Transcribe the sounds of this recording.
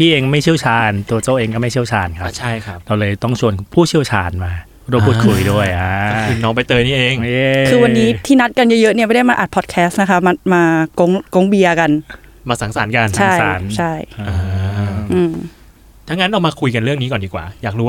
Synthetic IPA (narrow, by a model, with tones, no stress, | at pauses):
t̪ʰiː˥˩ʔeː˧ŋ˧ma˥˩jt͡ɕʰi˥˩əwt͡ɕʰaː˧nt̪u˧ɐt͡ɕaː˥˩ʔeː˧ŋkɔː˥˩ma˥˩jt͡ɕʰi˥˩əwt͡ɕʰaː˧nkʰa˦t͡ɕʰa˥˩jkʰa˥˦˩pɾa˧wlɤː˧jt̪ɔ˥˩ŋt͡ɕʰu˧ənpʰuː˥˩t͡ɕʰi˥˩əwt͡ɕʰaː˧nmaː˧ | ɾo˧˥˩pʰu˥˩kʰu˧jdu˥˩əjʔaː˧˦ɯ˧nːɔː˨˧ŋpa˧jt̪ɤː˧niː˥˩ʔeː˧ŋe˧kʰɯː˧wa˧nːiː˦˥t̪ʰiː˥˩na˦˥t̪̚ka˧njə˦˥jɤ˦˥ʔni˥˩ma˥˩da˥˩jmaː˧ʔaː˨˩t̪̚pʰɔː˨˩t̪̚kʰɛː˦˥st̪̚na˦kʰa˦˥ma˧maː˧ko˧˥ŋko˧˥ŋbi˧ɐka˧n | maː˧sa˩˦ŋsaː˩˦nka˧nt͡ɕʰa˨˦˥ŋjsa̰ː˩˦nt͡ɕʰa˥˩jaː˧˦ʔɯː˧˩m | t̪ʰa˦˥ŋːa˦˥nɾa˧wmaː˧kʰu˧jka˧nɾɯ˥˩əŋniː˦kɔː˨˩ndiː˨˩kwa̰ː˨˩jaː˨˩k̚ɾu˦˥a˥˩